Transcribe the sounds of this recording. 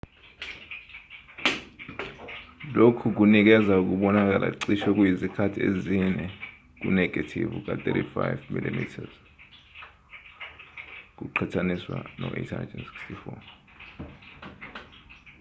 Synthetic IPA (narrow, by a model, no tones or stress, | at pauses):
lokʰuk̬unik̬ɛzauk̬uɓɔnak̬alʔa̰iǀiʃɔk̬wjizikʰatʰiezinɛ | k̬unɛɡ̥ʱatʰḭvuk̬at̪ʼetifajvmilimḭtʰaz̥ | k̬uǃʰatʰaniswa̰nɔʔetʰandɛnsi̥kstifɔ